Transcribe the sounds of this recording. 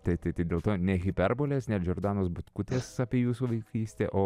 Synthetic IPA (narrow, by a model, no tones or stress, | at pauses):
t̪ɐɪt̪ɐɪt̪ɐɪdʲeːlˠt̪oːnʲɛɣʲɪpʲɛrboːlʲeːsnʲɛd͡ʒʲoːrɾd̪ɑːnoːsbʊt̪kʊt̪ʲeːsɑpʲiːjuːsuːʋɐɪkʰiːsʲt̪ʲḛːʔoː